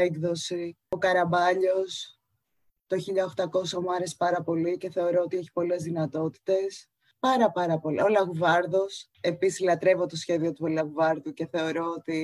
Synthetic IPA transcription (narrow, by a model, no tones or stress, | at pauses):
eɡðo̞si | okɐɾɐbɐʎo̞s | t̪oçiʎɐoxt̪ɐko̞somɐɾespɐɾɐpo̞lice̞θe̞o̞ɾoot̪ieçi̥po̞le̞zðinɐt̪o̞t̪i̥t̪e̞s | pɐɾɐpɐɾɐpo̞lḭo̞lɐɣuvɐɾðo̞s | e̞pisi̥slɐt̪ɾe̞vot̪o̞sçe̞ðio̞t̪uolɐɣuvɐɾðuce̞θe̞o̞ɾo̞ot̪i